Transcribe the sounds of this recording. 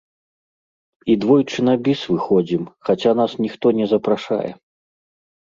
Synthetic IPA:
id̪vɔjt͡ʂɨnabʲisvɨxɔd͡zʲimxat͡sʲanasnʲixt̪ɔnʲɛzɐpɾaʂa̰jɛ̰

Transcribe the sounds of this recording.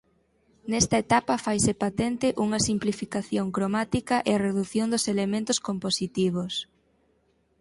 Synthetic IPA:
nɛst̪ɐet̪apɐfajsepat̪ɛnt̪ɪʔuŋɐsimplifikaθjoŋkɾomat̪ikɐʔeɐreðuθjond̪ʊselemẽnt̪ʊskomposit̪iβ̞os

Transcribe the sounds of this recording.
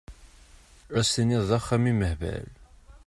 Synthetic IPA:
æsiniðˤðˤɑχːæmiməhvæ̰l

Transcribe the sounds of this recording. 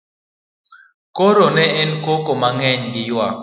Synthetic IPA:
koɾonɛʔɛnkokomaŋɛɲɡɪjwa

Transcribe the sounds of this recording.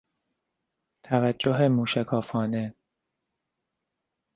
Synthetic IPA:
t̪ʰævæd͡ʒːoɦemuːʃækʰɒːfɒːne

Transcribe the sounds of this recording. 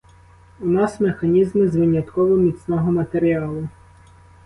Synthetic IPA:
unɑsmexɐnʲizmɪzʋɪnʲjɐt̪kɔʋɔmʲit̪snɔɦɔmɐt̪eɾʲiɑlˠʊ

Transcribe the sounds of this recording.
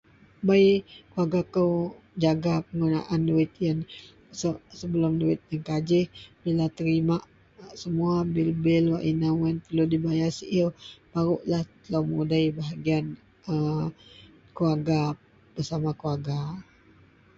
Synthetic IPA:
bajkuaɡakəw | d͡ʒaɡapəŋɡuna̰ʔanduɪt̪̚jən | səsəbəlʊmduɪt̪̚jankad͡ʒɪhbilat̪əɾimaʔ | səmuabɪlbɪlwaʔinawənp̪əludibajasiʔilbaɾʊʔlaht̪əlawmudaibaɦaɡian | ə | kuaɡa | b̥ərsamakuaɡa

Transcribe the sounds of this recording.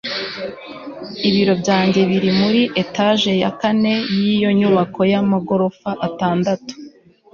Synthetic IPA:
iβiɾo̞bjɟaːɲɟe̞βiɾimuɾiʔe̞taʒe̞ja̰kane̞jijo̞ɲuβakʰo̞jamaɡo̞ɾo̞faʔataːndatu̥

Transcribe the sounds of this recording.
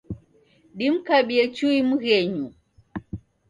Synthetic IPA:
ɗim̩kaɓiɛt͡ʃuimuɣɛɲu

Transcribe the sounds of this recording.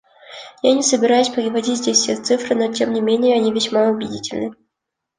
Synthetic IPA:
janʲɪsəbʲɪɾajʊsʲpəɾʲɪvɐdʲitʲzʲdʲesʲsʲet̪sɨfɾɨno̞tʲe̞mnʲɪmʲenʲɪjəɐnʲivʲɪsʲmaʊbʲɪdʲitʲɪlʲnɨ

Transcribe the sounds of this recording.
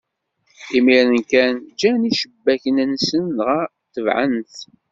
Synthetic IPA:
imiɾənkænd͡ʒæniʃəbːæçənənsənʁæ | t̪əvʕə̰nθ

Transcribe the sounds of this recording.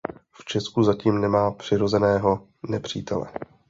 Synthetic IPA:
ft͡ʃɛskuzaciːmnɛmaːpr̝̥ɪɾo̞zɛnɛːɦo̞ | nɛpr̝̥ḭːt̪ɛlɛ̰

